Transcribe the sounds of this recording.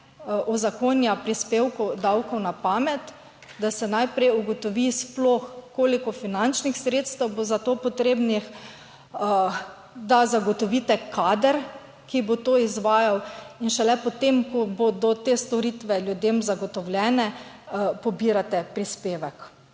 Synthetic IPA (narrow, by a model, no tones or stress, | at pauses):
ʔɔzakonjapɾispewkud̪awkɔwnapaːmɛt̪ | d̪asɛnajpɾɛjuɡɔt̪ɔʋisploxkoːlikɔfinant͡ʃnixsɾeːt̪st̪ɛwbozat̪oːpɔt̪ɾeːbnix | d̪azaɡɔt̪ɔʋiːt̪ɛkaːd̪əɾ | kibot̪oːizʋaːjawinʃɛlɛpɔt̪emkɔbod̪ɔt̪eːst̪ɔɾit̪ʋɛlʲjud̪emzaɡɔt̪ɔwlʲjɛːnɛ | pɔbiːɾat̪ɛpɾispeːʋɛk